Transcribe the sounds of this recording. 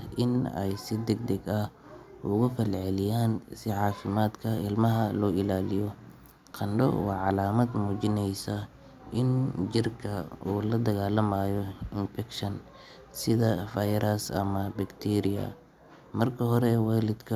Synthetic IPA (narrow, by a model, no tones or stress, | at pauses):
ʔɪnɛ̰jsɪd̪ɛɡ̚d̪ɛɡɐh | ʊɣʊfɛlʕɛlɪjaːnsɪʕɑːfɪmaːd̪kʰɐɪlmɐɦɐlɔːɪlaːlɪjɔ | qʰɐnɖɔ̰wɑ̰ːʕɑlaːmɐd̪muːt͡ʃɪnɛjsɐ | ʔɪnd͡ʒɪrkʰɐuːlɐd̪ɐɣaːlɐmajɔɪnfɛkʃɐn | sɪðɐfɐjɾɐsɐ̰mɐbɐkt̪ʰiːɾɪɐ̰ | mɐrkʰɐɦɔɾɛwaːlɪd̪kʰɐ